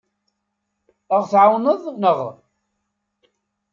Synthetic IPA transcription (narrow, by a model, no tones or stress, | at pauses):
əʁθʕawnəðˤnəʁ